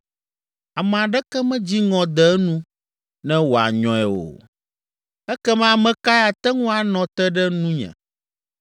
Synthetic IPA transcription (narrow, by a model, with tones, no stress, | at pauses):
a˨mɛ̃˨a˨ɖɛ˦kɛ˦mɛ̃˦d͡ʑi˦ŋɔ̃˨d̪ɛ˨˦nũ˦ | nɛ̃˦wo˨a̰˨ɲɔ̃˦ɛ˨wo̰˨ | ɛ˦kɛ˦mɛ̃˦a˨mɛ̃˨ka˦ja˨t̪ɛ˦ŋũ˦a˨nɔ̃˨t̪ɛ˦ɖɛ˦nũ˦ɲɛ̰̃˨